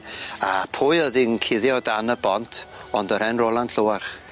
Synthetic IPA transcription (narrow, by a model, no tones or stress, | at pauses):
apʰoːɨəðinkʰɪðjɔdanəbɔntʰɔndəɾ̥ɛnrolˠanɬʰowarχ